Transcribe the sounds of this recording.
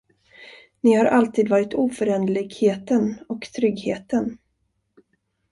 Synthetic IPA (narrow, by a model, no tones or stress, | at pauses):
nɪhaɾʔalt̪ʰiːd̪vɑːɾɪt̪ʰuːfœɾɛnd̪əlɪɡheːt̪ənɔkt̪ʰɾʏɡheːt̪ən